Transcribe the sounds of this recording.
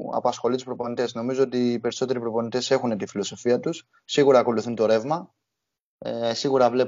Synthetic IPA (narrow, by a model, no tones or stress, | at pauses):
ɐ̰pɐsxo̞lit̪uspɾo̞po̞nit̪e̞sno̞mizo̞ot̪iːpe̞ɾiso̞t̪e̞ɾipɾo̞po̞nit̪e̞se̞xunet̪ifiloso̞fiɐt̪usː | iɣuɾɐːko̞luθunt̪o̞ɾe̞vmɐ | siɣuɾɐvle